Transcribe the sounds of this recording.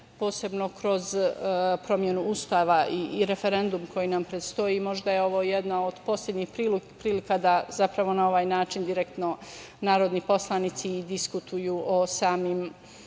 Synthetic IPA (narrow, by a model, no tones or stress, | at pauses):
po̞ːse̞bno̞kɾo̞zpɾo̞mje̞nuust̪aːʋaʔiɾe̞fe̞ɾe̞nd̪umko̞jinampɾet̪st̪o̞jimo̞ʒd̪ajeo̞ʋo̞jed̪naod̪̥po̞ːslʲjʲe̞d̪ɲixpɾipɾiːlikad̪azapɾaʋo̞nao̞ʋaːjnaːt͡ʃind̪iɾekt̪no̞ | naːɾo̞d̪nipo̞slˠanit̪sid̪iskut̪ʰujuːʔosaːmim